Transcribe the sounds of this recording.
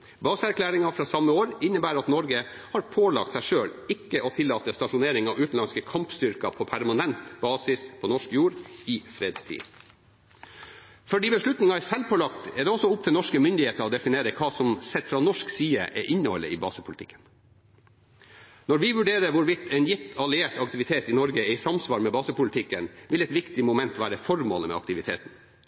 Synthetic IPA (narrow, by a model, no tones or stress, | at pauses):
bɑːsəæɾkʰlæːɾɪŋɑfɾɑːsɑmːəoːɾɪnːəbæːɾɑt̪nɔɾɡə | hɑɾpʰoːlɑ̰k̚t̪sæɪʂøːɭɪkːəʔɔt̪ʰɪlːɑːt̪əst̪ɑʂʊneːɾɪŋɑʋʉːt̪n̩lɑnskəkʰɑmpst̪ʏɾkɑpʰɔpʰæɾmɑnɛnt̪b̥ɑːsɪspʰɔnɔʂkjuːɾɪfɾeːd̪st̪ʰḭː | fɔɖiːbəʂɭʉt̪nɪŋɑæsɛlpʰɔlɑkt̪ɛɖ̪ɛɔsɔʊp̚t̪ʰɪlnɔʂkəmʏnd̪ɪheːt̪əɾɔːd̪ɛfɪneːɾəkʰɑːsɔmsɛt̪ːfɾɑnɔʂksiːəʔɛʔɪnːəhɔ̰lːə̰ɪːbɑːsəpʰʊlɪt̪ʰɪkːən | nɔɾʋɪʋʉɖeːɾəʋʊɾʋɪt̪ʰɛnjɪt̪ʰɑlɪeːʈɑkt̪ɪʋɪt̪ʰeːt̪ɪnɔɾɡəɛɪsɑmsʋɑːɾmɛbɑːsəpʊlɪt̪ʰɪkːənʋɪlɛt̪ʋɪkt̪ɪmʊmɛnt̪ʋæːɾəfɔɾmo̰ːləmɛ̰ɑ̰kt̪ɪʋɪt̪ʰḛːt̪n